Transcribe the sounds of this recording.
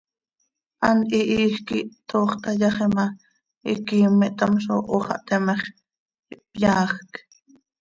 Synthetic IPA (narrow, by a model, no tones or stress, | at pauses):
ʔɑniʔiːxkiʔt̪ʰoːχt̪ɑjɑχemɑ | ḭkiːmːɛʔt̪ɑmʃ̬o̰ʔoχɑ̰ʔt̪ɛmeχ | iʔpjɑːxk